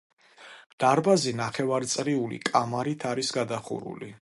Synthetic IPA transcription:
d̪̥aɾbazinaχɛvaɾt̪sʼɾiulḭkʼamaɾit̪ʰaɾisɡad̪aχṵɾṵli

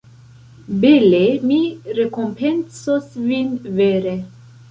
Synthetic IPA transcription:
belemiɾekɔmpʰɛnsɔsvinveɾe

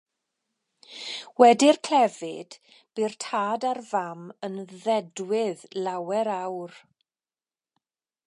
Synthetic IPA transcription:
wɛdɪrkʰl̥ɛvɪd̥ | b̥irtʰaːdarvamənðɛdwɪðlˠawɛɾawr

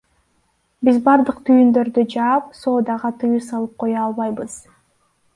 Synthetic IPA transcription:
bizbɑɾd̪ɯqt̪ʰyjynd̪ø̞ɾd̪yd͡ʒɑːp̚so̞ːd̪ɑʁɑt̪ʰɯjusɑlˠɯp̚qʰo̞jɑɑlˠβɑjbɯz̥

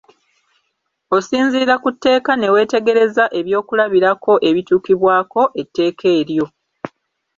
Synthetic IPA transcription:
o̞siːnziːɾakutːe̞ːkane̞we̞ːte̞ɡe̞ɾe̞zaʔe̞βjo̞ːkulaβiɾako̞ʔe̞βituːkiβwaːko̞ʔe̞tːe̞ːkʰe̞ːɾjo̞

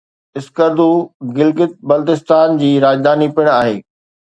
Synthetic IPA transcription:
ɪskəɾd̪uɡɪlɡɪt̪̚bɐlt̪ɪst̪aːnd͡ʑiːɾaːd͡ʑd̪aːnipɪɽ̃aːɦeː

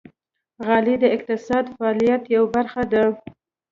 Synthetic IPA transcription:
ɣɑlid̪əɪq̚t̪ɪsɑd̪faɑːlijat̪jawabaɾxad̪a

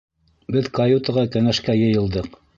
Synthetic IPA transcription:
bɘðkɐjut̪əʁɑkæŋæʃkæjɤ̆jɤ̆lˠd̪ɤq

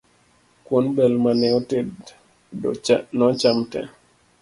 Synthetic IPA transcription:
kwonbɛlmanɪoted | nɔt͡ʃamtɛ̰

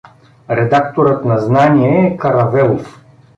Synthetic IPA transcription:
ɾɛd̪akt̪oɾət̪nɐznaniɛːkɐɾɐvɛlˠof

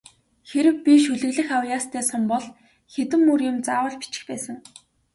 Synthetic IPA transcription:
xeɾɘ̆wpʲiʃɵɮɵ̆ɣɮɘ̆xawjaːst̪ʰæːsə̆mpɔɮ | xet̪ɘ̆mːurjʊ̆mt͡saːwə̆ɮpi̥t͡ɕɪ̥̆xpæːsə̆ŋ

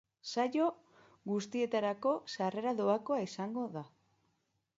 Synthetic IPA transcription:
sajo̞ | ɡust̪ie̞t̪aɾako̞sare̞ɾaðo̞ako̞aisaŋɡo̞ða

